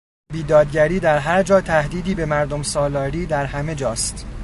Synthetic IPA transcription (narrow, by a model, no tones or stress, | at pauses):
biːd̪ɒːd̪ɟæɾiːd̪æɾɦæɾd͡ʒɒːt̪ʰæhd̪iːd̪iːbe̞mæɾd̪o̞msɒːlɒːɾiːd̪æɾɦæme̞d͡ʒɒːst̪